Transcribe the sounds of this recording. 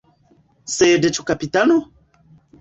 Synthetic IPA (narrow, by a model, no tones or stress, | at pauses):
sɛːdɛt͡ʃʰukapitano